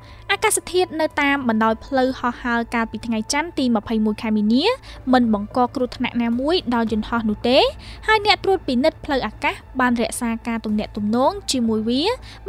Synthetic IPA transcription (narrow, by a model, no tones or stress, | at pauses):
ʔaːkast̪ʰiət̪̚nɨwt̪aːmɓɑnɗaɔjpʰləwhɑhːaəlkaːlpiːt̪ʰŋajt͡ɕant̪iːmə̆pʰəjmuəjkʰaɛmiːniəmɨnɓɑŋkɑːkrŭəht̪ʰna̰ʔnaːmuəjɗɑljʊ̆nhɑhnŭəht̪eːhaəjnɛ̆əʔt̪ruət̪̚pinɨt̪̚pʰləwʔaːkahɓaːnrɛ̆əʔsaːkaːt̪umnɛ̆əʔt̪umnɔːŋt͡ɕiəmuəjʋiə